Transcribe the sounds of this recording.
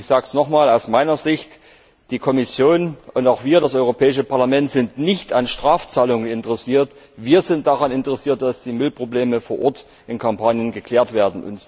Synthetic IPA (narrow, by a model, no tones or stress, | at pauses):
ɪçz̥aːksnɔχmaːlaʊsmaɪnɐzɪçt | d̥iːkʰɔmɪsjoːnʔʊntaʊxv̥iːɐɾasʔɔʏʁopʰɛːɪʃəpʰaɐlamɛntz̥ɪntnɪçtanʃtʁ̥aːft͡saːlʊŋənɪntəʁɛsiːɐt | viːɐzɪnt̚d̥aʁanɪntəʁɛsiːɐt̚d̥asd̥iːmɪlpʁ̥obleːməfoːɐʔɔɐt | ʔɪnkʰampʰaːnjənɡəkl̥ɛːɐtv̥eːɐdn̩ʔʊ̰nt